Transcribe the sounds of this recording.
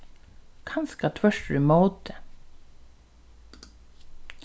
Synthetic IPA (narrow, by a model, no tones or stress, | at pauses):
kʰɑnskɑt̪ʰʋœʃɾʉːmoːd̪ə